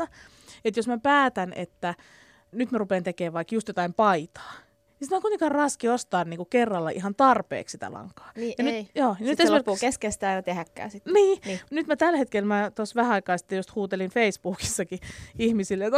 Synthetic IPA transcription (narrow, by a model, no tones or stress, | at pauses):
ɑ | et̪josmæpæːt̪ænḛt̪ːæ | nyt̪mærupeːnt̪ekeːʋʋɑikjust̪jot̪ɑimpɑit̪ɑ̥ː | nisi̥t̪mæoŋkut̪eŋkɑrrɑskiost̪ɑːnniːŋkukerːɑlːɑ̰ʔḭɦɑnt̪ɑrpḛːksit̪æ̰lɑ̰ŋkːˑɑ̥ːjɑnyjoːjɑnyt̪sopːkeskest̪æːɑinɑt̪ehækːæ̰ːsit̪ːniːnyt̪mæt̪ælhet̪kelmæt̪osʋæhæɑikɑːsi̥t̪ːejost̪huːt̪elinfeispuːki̥sːɑkiihmisilːjot̪